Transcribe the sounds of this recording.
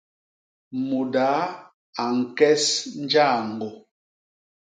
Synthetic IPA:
mu˨da˨˦ | a˨ŋ̩˨kɛ˦sn˦d͡ʒa˦˨ŋ˨ɡɔ˨

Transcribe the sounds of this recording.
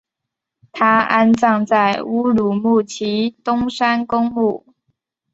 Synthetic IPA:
t̪ʰa˥a̰˥nt͡sɑ˥˧ŋt͡sa˥˩ɪu˥lu˨˩mu˥˩t͡ɕʰi˧˥t̪ʊ˥ŋʂa˥nkʊ˥ŋmu˥˩

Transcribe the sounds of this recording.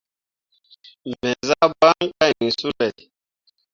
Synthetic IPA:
mɛ˨za˦ba˦ŋ˦ka˦˨ni˨su˦lɛ˨

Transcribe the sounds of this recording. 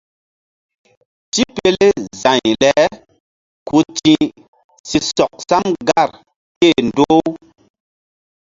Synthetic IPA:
ti˦pe˦le˦zã˨ɲlɛ˨˦ | ku˧t͡ʃĩ˦ | si˨sɔ˨k̚sa˦mɡa˦˨ɾ | ke˦˨ndo˦

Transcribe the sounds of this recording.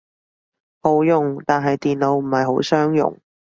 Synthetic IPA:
ho˨˥wjʊ˨ŋt̪aː˨nɦɐ˨jt̪iː˨nlo˨˧wm̩˨˩hɐ˨jɦo˨˥wsœː˥ŋjʊ̰˨˩ŋ

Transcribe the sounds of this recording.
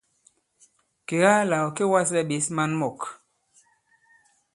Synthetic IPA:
ke˨ɣa˦la˨o˨ke˦wa˦s̬ɛ˦˨ɓe˨˦sma˦nmɔ˨k

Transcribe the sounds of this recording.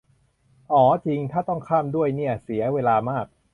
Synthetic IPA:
ʔɔː˩˦t͡ɕi˧ŋt̪ʰaː˥˩t̪ɔ˥˩ŋkʰaː˥˩mdu˥˩əjni˥˩ɐsi˩˦ɐweː˧laː˧maː˥˩k̚

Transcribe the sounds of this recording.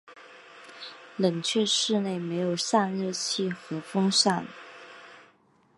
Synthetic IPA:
lə˨˩ŋt͡ɕʰɥɛ˥˧ʂɻ̩˥˧ne˥˩ɪme˧˥ɪjo˨˩ʊʂa˥˧nɻɤ˥˧t͡ɕʰi˥˩xɤ˧˥fɤ˥ŋʂa˥˩n

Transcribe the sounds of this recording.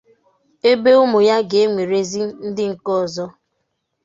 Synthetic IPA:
e˦be˦ʊ˦mʊ˨ja˦ɡe˨e˦ŋʷe˨ɾe˦zi˦n̩˦dɪ˦ŋ̩˨kɔ˦˨zɔ˦

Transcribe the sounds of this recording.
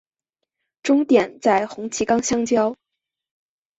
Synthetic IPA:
ʈ͡ʂʊ˥ŋt̪jɛ˨˩nt͡sa˥˩ɪxʊ˧˥ŋt͡ɕʰi˧˥kɑ˥ŋɕjɑ˥˧ŋt͡ɕjɑ˥ʊ

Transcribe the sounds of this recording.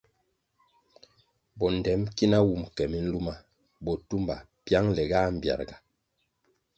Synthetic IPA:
bɔ˨n˨dɛ˨˦mki˦na˦wu˦˨mkɛ˨mi˦n̩˦lu˦ma˨ | bɔ˨tu˦mba̰˨ | pja˦ŋlɛ˨ɡa˦m̩˨bja̰˨ɾɡa˨

